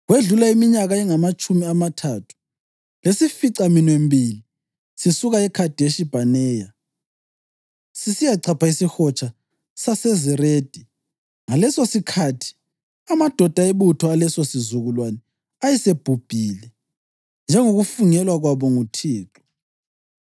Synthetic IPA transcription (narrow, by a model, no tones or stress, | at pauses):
ɣweɮulaimiɲaɣaɛŋamat͡ʃʼumiamatʰaːtʰu̥ | lesifiǀaminwembʱili | sisuɣaɛkʰad̥ʱeʃib̥ʱanɛːja | sisijaǀʰapʰaisixɔt͡ʃʼa | sasɛziɾeːd̥ʱi | ŋalɛsosikʰatʰi̥ | amad̥ʱɔd̥ʱaeβutʰɔalɛsosizuɣulwanɛ | ajɛseb̥ʱub̥ʱiːlɛ | nd͡ʒʱɛŋoɣufuŋɛlwaɣwaβɔŋutʰiːǁɔ̥